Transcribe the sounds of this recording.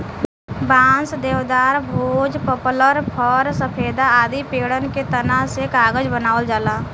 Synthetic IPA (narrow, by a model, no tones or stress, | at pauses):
bãːnsd̪eːʋd̪aːɾbʱoːd͡ʒpəpləɾpʰəɾsəpʰeːd̪aaːd̪ipeːɽənket̪ənaɦsekaːɡəd͡ʒbənaːʋəld͡ʒaːlaː